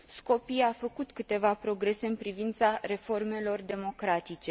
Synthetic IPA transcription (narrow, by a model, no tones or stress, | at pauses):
sko̞piafəkut̪kɨt̪e̞vapɾo̞ɡɾe̞se̞ɨnpɾivint̪saɾe̞fo̞rme̞lo̞rd̪e̞mo̞kɾat̪it͡ʃe̞